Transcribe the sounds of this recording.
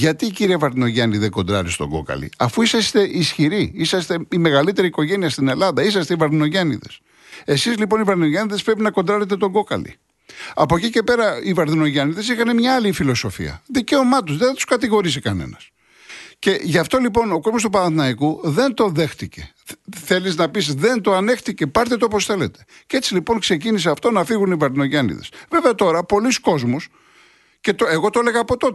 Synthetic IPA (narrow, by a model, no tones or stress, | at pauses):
ʝɐt̪iːciɾiɐvɐɾðino̞ʝɐniðeɡo̞nd̪ɾɐɾist̪o̞̰ŋɡo̞̰kɐ̰lḭɐfuisɐst̪e̞ʔisçiɾiisɐst̪e̞ime̞ɣɐlit̪e̞ɾiːko̞ʝe̞niɐst̪ine̞lɐðɐisɐst̪eivɐɾðino̞ʝɐnḭðe̞̰s | e̞sizlipo̞nivɐɾðino̞ʝɐniðespɾe̞pinɐkond̪ɾɐɾet̪̬e̞t̪o̞ɡo̞kɐ̰lḭ | ɐpocice̞pe̞ɾɐivɐɾðino̞ʝɐniðe̞s̬ixɐne̞mɲɐːlifilo̞so̞fḭɐ̰ðice̞o̞mɐt̪ozðeθɐt̪u̥skɐt̪iɣo̞ɾisikɐne̞̰nɐs | ce̞ʝɐft̪o̞lipo̞no̞ko̞zmo̞st̪upɐnɐθnɐikuðe̞nt̪o̞ðe̞xt̪ice̞̰ | θe̞liznɐpisðe̞nt̪o̞ɐne̞xt̪ice̞pɐɾt̪et̪opo̞sθe̞le̞t̪e̥ | ce̞t͡silipo̞ŋkse̞c̬inis̬eɐft̪o̞nɐfiɣunivɐɾðino̞ʝɐnḭðe̞sve̞veɐt̪o̞ɾɐpo̞lisko̞zmus | ce̞t̪oeɣo̞t̪ole̞ɣɐːpo̞t̪o̞t